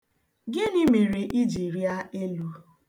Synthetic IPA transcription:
ɡɪ˦ni˦mi˨ɾi˨ʔi˦d͡ʒi˨ɾi˦a˦e˦lu˦

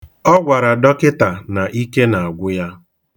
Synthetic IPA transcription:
ɔ˦ɡʷa˨ɾa˨dɔ˦kɪ˦ta˨na˨ʔi˦ke˦na˨a˨ɡʷʊ˦ja˦

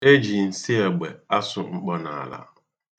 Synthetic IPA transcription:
e˦d͡ʒi˨n̩˨si˦e˨ɡ͡be˨a˦sʊ˦˨ŋ͡m̩˦k͡pɔ˦na˨la̰˦

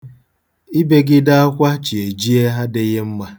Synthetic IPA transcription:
i˦be˦ɡɪ˦da˦a˦kʷa˦t͡ʃi˨e˨d͡ʒi˦e˦ɦa˦dɪ˦ɣe˦m̩˦ma˦

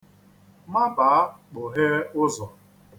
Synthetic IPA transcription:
ma˦baː˨˦k͡pʊ˨ɦe˦ʊ˦zɔ˨

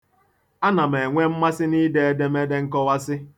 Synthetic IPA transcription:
a˦na˨me˨ŋʷe˦m̩˦ma˦sɪ˦ni˦de˦e˦de˦me˦de˦ŋ̩˦kɔ˦wa˦sɪ˦

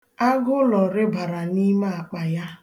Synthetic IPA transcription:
a˦ɡʊ˦lɔ˨ɾɪ˦ba˨ɾa˨ni˦ma˦a˨k͡pa˨ja˦

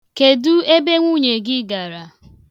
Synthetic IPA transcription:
ke˨du˦e˦be˦ŋʷu˦ɲe˨ɡɪ˦ɡa˨ɾa˨

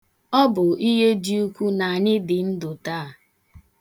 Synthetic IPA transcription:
ɔ˦bʊ˨i˦ɦe˦di˦u˦kʷu˦na˨a˨ɲɪ˦dɪ˨n̩˦dʊ˨ta˦a˨

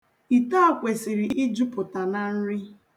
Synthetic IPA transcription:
i˨ta˦a˨kʷe˨si˨ɾi˨ʔi˦d͡ʒu˦pʊ˨ta˨na˨n̩˦ɾɪ˦

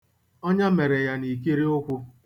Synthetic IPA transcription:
ɔ˦ɲa˦me˨ɾe˨ja˦ni˨k̬i˦ɾi˦ʊ˦kʷʊ˦

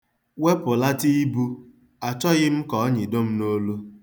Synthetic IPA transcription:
we˦pʊ˨la˦ti˦i˦bu˦ | a˨t͡ʃɔ˦ɣɪ˦m̩˦kɔ˨ɔ˦ɲɪ˨do˦m̩˦no˦lu˦

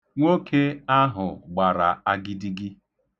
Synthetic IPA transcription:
ŋʷo˦kʰe˦a˦ɦʊ˨ɡ͡ba˨ɾa̰˨a˦ɡɪ˦di˦ɡɪ˦

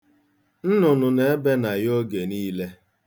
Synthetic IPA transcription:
n̩˦nʊ˨nʊ˨ne˨e˦be˦na˨jo˦ɡe˨niː˦le˦

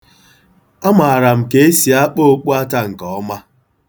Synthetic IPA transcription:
a˦ma˨a˨ɾa˨m̩˨ke˦e˦si˨a˦k͡po˦o˦k͡pu˦a˦ta˦ŋ̩˨kɔ˨ɔ˦ma˦

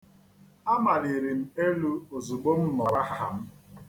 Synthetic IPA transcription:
a˦ma˨ɾi˨ɾi˨m̩˦e˦lu˦o˨zu˨ɡ͡bo˦m̩˦mɔ˨ɾa˦ɦa˦ɦa̰˨m̩˦

